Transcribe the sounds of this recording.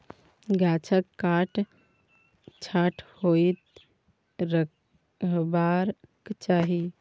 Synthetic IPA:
ɡat͡ʃʰəkːaʈ | t͡ʃʰaʈhojt̪ | ɾə | baɾkt͡ʃaɦi

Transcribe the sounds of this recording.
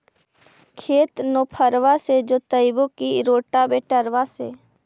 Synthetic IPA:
kʰeːt̪noːpʰəɾʋased͡ʒoːt̪əɪbʊkiɾoːʈabeːʈəɾʋaseː

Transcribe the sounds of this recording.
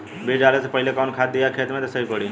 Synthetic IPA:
beːd͡ʒaːlesepɐɦilekɔːnkʰaːt̪̚d̪ijakʰeːt̪mẽt̪esəɦikəɽi

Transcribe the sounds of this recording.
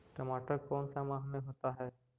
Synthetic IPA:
ʈɐmaːʈəɾkɔːnsamaɦmẽɦoːt̪aɦɛː

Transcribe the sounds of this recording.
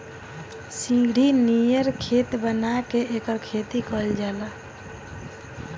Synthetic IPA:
sĩŋɡɽ̤inijəɾkʰet̪bənakeekəɾkʰet̪ikəld͡ʒala

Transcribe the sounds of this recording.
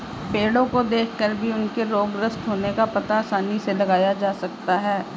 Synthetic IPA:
peːɽõkod̪eːkʰkəɾbʱiʊnkeɾoːɡɾəst̪ɦoːnekapɐt̪aːsaːniselɐɡaːjad͡ʒaːsɐk̚t̪aɦɛː

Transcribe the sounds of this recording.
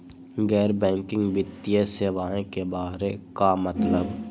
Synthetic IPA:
ɡɛːɾbɛ̃ːŋkɪ̃ŋɡbɪt̪ːijeseːʋaːẽkebaːɾekamət̪ləb

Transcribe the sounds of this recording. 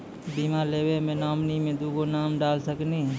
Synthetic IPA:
biːmaɾleːwemẽnaːmnimẽd̪uːɡonaːmɖaːlsəkni

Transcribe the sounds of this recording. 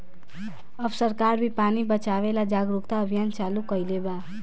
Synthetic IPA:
əbsəɾkaɾbʱipanibət͡ʃaʋelad͡ʒaɡɾukt̪aəbʱijant͡ʃalukəjleba

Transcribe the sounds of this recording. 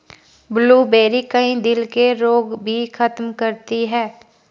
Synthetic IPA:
bluːbeːɾikɐɦĩd̪ɪlkeɾoːɡbʱixʰɐt̪mkɐɾt̪iɦɛː

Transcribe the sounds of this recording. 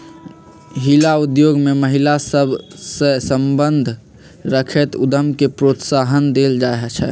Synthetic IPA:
ɦilaud̪joɡmeməɦilasəbʱsesəmbənd̪ʱ | ɾəkʰet̪ud̪əmkepɾot̪saɦənd̪eld͡ʒaɦt͡ʃʰɛ̰

